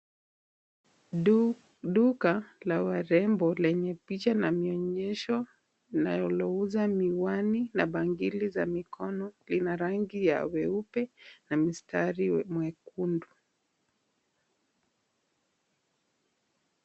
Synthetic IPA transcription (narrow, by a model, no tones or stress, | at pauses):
ɗukalawaɾɛmbɔlɛɲɛpit͡ʃanamiɔɲɛʃɔ | najɔlɔuzamiwaninaɓaŋɡilizamikʰɔnɔlinaɾaŋɡija̰wɛupɛnamistʰaɾimwɛkundu